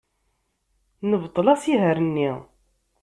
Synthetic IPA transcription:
nəvt̪ˤːlæsiɦəɾənːi

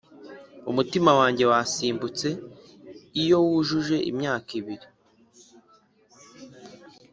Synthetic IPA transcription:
umutimawaːɲɟe̞wasiːmbut͡se̞ | ijo̞wuʒuʒe̞ʔḭmɲaːkiβiɾi

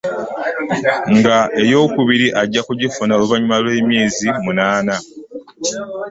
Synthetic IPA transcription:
ŋɡaʔe̞jo̞ːkuβiɾiʔaɟːakuɟifunaoluβaɲumalwe̞ːmje̞ːzimunaːna

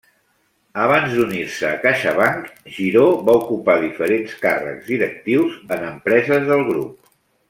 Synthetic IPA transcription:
əβ̞anzd̪unirsəːkaʃəβaŋkʒiɾoβaukupaðifəɾenskarə̰kzðiɾək̚t̪iwzənəmpɾɛzəzðəlˠɣɾṵp̚

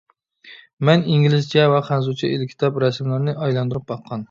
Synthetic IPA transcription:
mɛniŋɡʲilɪzt͡ʃʰɛvɛχænzut͡ʃʰɛelɪkʲʰːi̥t̪ʰɑpɾɛsmlˠɨɾnɨʔɑjlˠɑnd̪ɨɾɨp̚bɑqʰːɑn

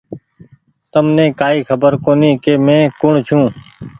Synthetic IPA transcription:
t̪əmnẽːkaːiːkʰəbəɾkoːniːkeːmẽːkʊɳt͡ʃʰũː

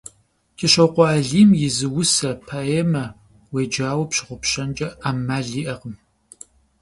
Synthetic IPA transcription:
kʰʼɪɕɐwqʷɔːɮiːmjɪzɨwʊsɐpʰaeːmɐ | weːd͡ʒaːwɐpɕɪʁʷʊpɕɐnd͡ʒʼɐaːmːaːɮiːʔɐqəm

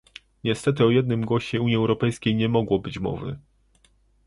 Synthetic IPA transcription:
ɲɛst̪ɛt̪̬ɘɔjɛd̪̚nɘmɡwɔɕɛuɲjiɛwɾɔpɛjskʲejɲɛmɔɡwɔbɘt͡ɕmɔ̰vɘ̰

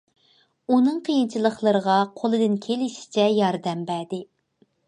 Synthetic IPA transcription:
unɨŋqʰəjint͡ʃʰilˠəχlˠəɾəʁɑqʰolˠɨd̪ɨnkʲʰelɪʃi̥t͡ʃʰɛjɑɾd̪ɛmbæd̪ɪ

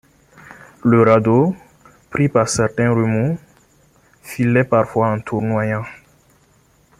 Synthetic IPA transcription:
ləɾad̪o | pɾipaʁsɛʁt̪ɛ̃ʁymu | filɛpaʁfwaɑ̃t̪ʰuʁnwajã

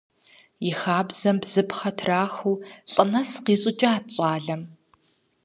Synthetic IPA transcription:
jɪxaːbz̥ɐmbz̥ɨpχɐtʰraːxuːɬʼɨnɐsqiːɕʼɪt͡ʃʼaːɕʼɑːɮɐm

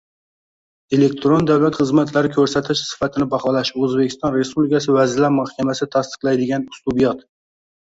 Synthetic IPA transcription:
elek̚ʲt̪ʰɾond̪awlat̪χɨzmat̪ʰlaɾɪkʲʰɵɾsat̪ʰɪʃsɪ̥fat̪ʰɪnɪbɑχɒlˠaʃɵzbekʲʰɪst̪ɑnɾespublɪikʲʰasɪvæzɪlaɾmɑhkʲʰamasɪt̪ʰast̪ɨ̥qlˠajd̪ɪɡʲanʊst̪ubijɑt̪

